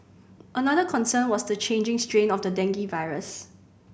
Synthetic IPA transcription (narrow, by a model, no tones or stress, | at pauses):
ʔənadəkʰɔ̃nsə̃nwɔsdət͡ʃʰẽnd͡ʒɪ̃ŋstɹẽnɔfdədɛ̃ŋɡivaɪɹəs